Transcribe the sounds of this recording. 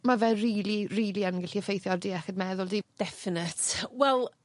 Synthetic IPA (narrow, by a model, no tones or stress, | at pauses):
mavɛriːliriːliənɡɪɬiəfejθjɔrdiːɛxədmɛðʊlˠdiːd̥ɛfɪnətwɛlˠ